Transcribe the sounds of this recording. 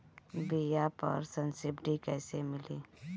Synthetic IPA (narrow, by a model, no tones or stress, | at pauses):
bijapɐ̰ɾsənsɪbɖikɛːsemɪliː